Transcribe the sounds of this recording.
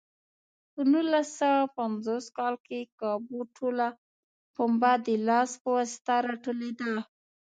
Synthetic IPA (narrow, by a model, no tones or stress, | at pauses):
pənulasawapanzoskɑlkekɑbuʈʰola | pombad̪əlɑspəwɑsɪ̥t̪aɾaʈoled̪a